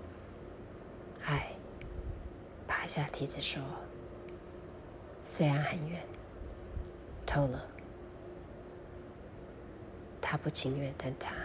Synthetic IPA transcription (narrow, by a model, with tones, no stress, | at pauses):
a˥˩ɪ | pʰa˥ɕja˥˩t̪ʰi˧˥d͡zɹ̩˨˩ʂɔ˥ | swe˥ɪɻa˧˥nxə˨˩nɥɛ˥˩n | t̪ʰo˥ʊlə˨˩ | t̪ʰa˥pu˥˩t͡ɕʰi˥ŋɥɛ˥˩nt̪a˥˧nt̪ʰa˥